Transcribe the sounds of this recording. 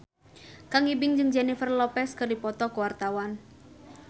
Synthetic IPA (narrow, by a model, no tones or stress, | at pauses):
kaŋibɪŋd͡ʒɨŋd͡ʒɛnifərlɔpɛskərdipɔt̪ɔkəwart̪awan